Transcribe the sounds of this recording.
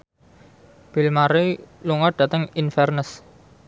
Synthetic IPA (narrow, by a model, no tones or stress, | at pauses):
b̥i̤lmaɾeluŋɔɖ̥ä̤t̪əŋinfɛrnəs